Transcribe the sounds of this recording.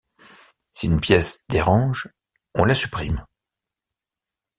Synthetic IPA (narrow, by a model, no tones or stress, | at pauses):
siynpjɛsd̪eʁɑ̃ʒ | ɔ̃lasypχim